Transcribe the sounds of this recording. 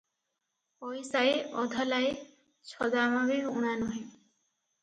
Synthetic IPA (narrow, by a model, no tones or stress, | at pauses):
pɔjsaeʔɔd̪ʱɔlae | t͡ʃʰɔd̪amabiuɽ̃anɔɦẽ